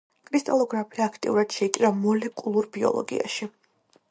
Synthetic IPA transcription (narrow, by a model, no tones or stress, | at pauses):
kʼɾist̪ʼalˠɔɡɾapʰiaːkʰt̪ʼḭuɾad̪̥ʃɛit̪ʼiɾamɔlɛkʼulˠuɾbiɔ̰lˠɔ̰ɡḭa̰ʃi